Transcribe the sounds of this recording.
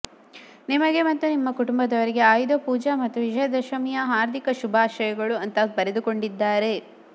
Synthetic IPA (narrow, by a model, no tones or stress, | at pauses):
nimɐɡe̞mɐt̪ːunimːɐkuʈumbɐd̪ɐʋɐɾiɡe̞aːjd̪opuːd͡ʒɐmɐt̪ːuʋid͡ʒɐjɐd̪ɐʃɐmijɐɦaːɾd̪ʱikɐʃubʱaːʃɐjɐɡɐɭuɐnt̪ɐbɐɾed̪uko̞ɳɖid̪ːaːɾe̞